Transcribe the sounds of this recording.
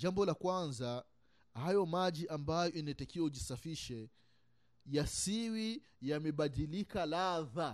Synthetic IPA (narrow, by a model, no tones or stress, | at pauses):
ʄambɔlakwanza | hajɔmaʄiʔambajɔinatakiwauʄisafiʃɛ | jasiwi | jamɛɓaɗilikalaða